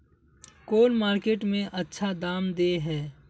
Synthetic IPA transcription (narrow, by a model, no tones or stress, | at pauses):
koːlmaːɾkeːʈmẽʔɐtːʃʰad̪aːmd̪eːɦɛː